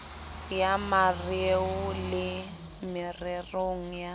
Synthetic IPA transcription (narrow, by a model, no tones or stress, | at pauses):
jamareʊlɪ | mɪrɪroŋ̩ja